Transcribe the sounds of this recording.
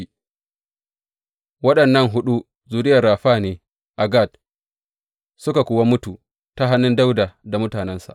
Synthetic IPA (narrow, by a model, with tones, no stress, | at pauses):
wɐ˦ɗɐ˨nːɐ˦ŋɦʊ˦ɗu˦ | zuː˨dɪ˦jɐ˨rːaː˨ɸaː˦˨neː˨ | ʔa˨ɡa˦˨t̚ | sʊ˦ka˨kʷʊː˨wa˦mʊ˦tu˨ | ta˦ɦa˦nːʊ˦nda˦wda˨da˨mʊ˦taː˨nɛ˦nsa̰˨ʔ